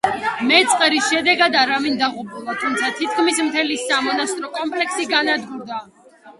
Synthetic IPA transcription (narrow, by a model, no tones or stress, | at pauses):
mɛt̪sʼqʼɛɾisʃɛd̪ɛɡad̪aɾavind̪aʁupʰʼulˠat̪ʰumt̪sʰat̪ʰit̪̚kʰmismt̪ʰɛlisamɔnast̪ʼɾɔkʼɔmpʰʼlɛksiɡanad̪ɡuɾd̪a